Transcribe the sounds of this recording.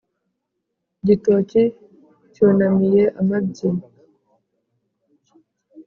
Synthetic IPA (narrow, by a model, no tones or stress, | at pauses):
ɟitoci | conamijeʔamabɟi